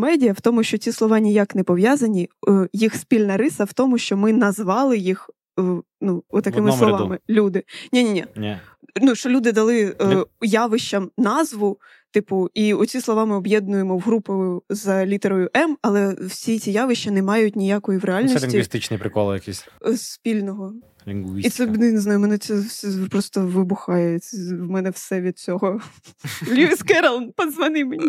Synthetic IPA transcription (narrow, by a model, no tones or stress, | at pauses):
mɛdʲijɐwt̪ɔmʊʃt͡ʃɔt͡sʲislˠɔʋɑnʲijaknɛpɔʋʲjazɐnʲijixspʲilʲnɐɾɪsɐwt̪ɔmʊʃt͡ʃɔmɪnɐzʋɑlˠɪjix | nuɔt̪ɐkɪmɪslˠɔʋɑmɪlʲud̪ɪnʲinʲinʲi | nuʃt͡ʃɔlʲud̪ɪd̪ɐlˠɪjaʋɪʃt͡ʃɐmnɑzʋʊ | t̪ɪpʊiʊt͡sʲislˠɔʋɑmɪɔbjɛd̪̚nʊjemɔwɦɾupɔjʊzɐlʲit̪eɾɔjʊʔɛmɐlˠɛwsʲit͡sʲijaʋɪʃt͡ʃːɐnɛmɑjʊtʲnʲijakɔjiwɾealʲnisʲɪŋɡ̪ʲiʋʲist̪ɪt͡ʃnijpɾɪkɔlˠjɐkisʲspʲilʲnɔɦɔ | lʲiit̪sɛnɛjnɪznɑjʊmɛnɛt̪sɛfsɛpɾɔst̪ɔʋɪbʊxɑjɛwmɛnɛfsɛʋʲid̪̚t͡sʲɔɦɔ | lʲuɪskɛɾɐlˠnpɐzʋɐnɪmenʲi